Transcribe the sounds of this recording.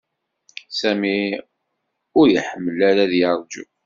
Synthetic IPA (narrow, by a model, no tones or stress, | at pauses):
sæmi | ʊɾjəħəmːəlæɾæðjəɾˤd͡ʒṵ